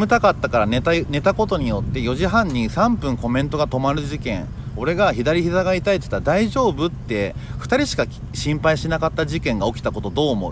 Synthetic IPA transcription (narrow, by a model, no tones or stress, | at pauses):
mɯ̟t̪akat̪ːakaɾanet̪ane̞t̪ako̞t̪o̞ɲ̟ijo̞t̪ːe̞jo̞ʑiɦãɲ̟ːisãmpɯ̟̃ŋko̞mẽ̞nt̪o̞ɡat̪o̞maɾɯ̟ʑikẽ̞̰ŋ | o̞ɾe̞ɡaçid̪aɾʲiçizaɡait̪ait̪oi̥t̪ːad̪aiʑo̞ːbɯ̟t̪ːe̞ɸɯ̟̥t̪aɾʲiɕi̥kakʲ | ɕĩmpaiɕinakat̪ːaʑikẽ̞ŋɡao̞kʲi̥t̪ako̞t̪o̞d̪o̞ːmo̞̰